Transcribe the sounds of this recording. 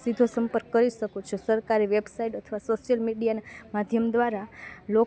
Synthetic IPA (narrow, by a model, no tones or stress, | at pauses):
sid̪ʱosəmpəɾkːəɾiʃəkut͡ʃʰesəɾkaɾiʋebsaiʈət̪ʰəʋasoʃijəlmiɖijanamad̪ʱjəmd̪ʋaɾalo